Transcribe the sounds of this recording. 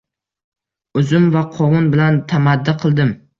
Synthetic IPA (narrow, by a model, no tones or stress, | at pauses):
ɵzʊmvaqʰɒwʊnbɪlant̪ʰamad̪ːɪqʰɨlˠd̪ɪm